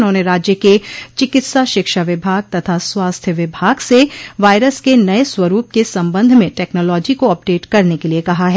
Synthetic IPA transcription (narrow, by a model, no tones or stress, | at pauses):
nɦõːneɾaːd͡ʒjəket͡ʃɪkɪt̪saʃɪkʃaʋɪbʱaːɡ̚t̪ɐt̪ʰaswaːst̪ʰjəʋɪbʱaːɡseʋaːɪɾəskenɐeswɐɾuːp̚kesɐ̃mbə̃nd̪ʱmẽʈɛːknɔːlɔːd͡ʒikoɐp̚ɖeːʈkɐɾnekeliekɐɦaɦɛ